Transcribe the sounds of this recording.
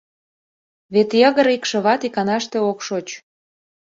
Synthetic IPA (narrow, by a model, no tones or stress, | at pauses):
βet̪jɤɣə̆ɾikʃɤ̆βɑt̪ikɑnɑʃt̪eokʃot͡ɕ